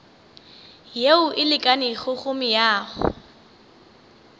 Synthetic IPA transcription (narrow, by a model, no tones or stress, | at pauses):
jeʊʔɪlɪkʼanɪχʊχʊmɪjaːχʊ̰